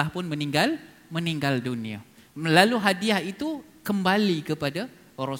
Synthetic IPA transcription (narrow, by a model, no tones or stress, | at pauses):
ahpʊnmə̃niŋɡal | mə̃niŋɡaldunĩa̰ | laluɦadiahit̪u | kəmbalikəpada | oɾɔ